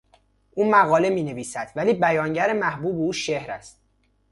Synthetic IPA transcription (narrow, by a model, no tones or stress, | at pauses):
ʔuːmæɣɒːle̞miːne̞viːsæd̪̥væliːbæjɒːŋɟæɾemæhbuːbeuːʃehɾæ̰st̪̚